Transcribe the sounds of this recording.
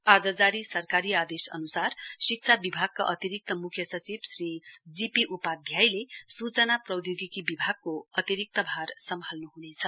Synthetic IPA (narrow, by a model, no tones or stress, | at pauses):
ad͡zad͡zaɾisʌrkaɾiad̪esʌ̰nusarsik̚t͡sʰabibʱaɡ̚kaʔʌt̪iɾik̚t̪ʌmukʰjʌsʌt͡sibsrid͡zipiʔupad̪ʱjajlesut͡sʌnaprʌd̪joɡikibibʱaɡ̚kːoʌt̪iɾik̚t̪ʌbʱarsʌmɦalnuɦunet͡sʰʌ